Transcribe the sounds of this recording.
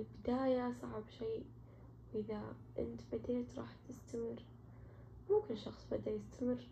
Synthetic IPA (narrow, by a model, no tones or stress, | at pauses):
lbɪd̪aːjasˤɑʕbʃiː | wʔɪða | ʔɪ̰nt̪bad̪eːt̪ɾˤɑ̰ːħt̪ɪst̪amɪr | mʊmkɪnʃɑxsˤbɪd̪ajɪst̪amɪr